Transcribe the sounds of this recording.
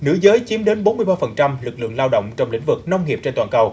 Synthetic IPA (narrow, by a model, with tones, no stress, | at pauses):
nɨ̰˧˥zəː˨˦jt͡ɕi˨˦mɗe˨˦nɓo˨˦nːmɨ˧əjɓaː˧fə˨˩nt͡ɕa˧mlɨ˨˩k̚lɨ̰˧˨əŋlaː˧wɗo̰˧˨wŋ͡mt͡ɕɔ˧wŋ͡mlḭ˧˥ŋ̟vɨ˨˩k̚nə˧wŋ͡mŋi˨˩əp̚t͡ɕe˧nt̪waː˨˩kə˨˩w